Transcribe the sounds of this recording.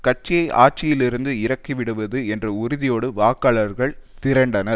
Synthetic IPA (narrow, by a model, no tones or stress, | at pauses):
kɐʈ̚t͡ʃɪjɐɪʔʔa̰ːt͡ʃɪjɪlɪɾɯnd̪ɯɪɾɐkːiʋɪɽɯʋɐðɯɛndrɐʊɾɪðɪjoːɽɯʋaːkɐːɭɐɾɣɐɭt̪ɪɾɐɳɖɐnɐɾ